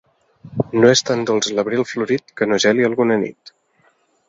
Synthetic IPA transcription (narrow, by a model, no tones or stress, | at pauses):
noest̪and̪olˠzləβɾilˠfluɾit̪kənoʒɛliəlˠɣunənḭt̪